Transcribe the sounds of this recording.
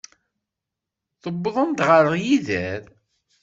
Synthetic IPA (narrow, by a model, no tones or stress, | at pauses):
θəbːəðˤənt̪ʁəɾəʁjiðæɾ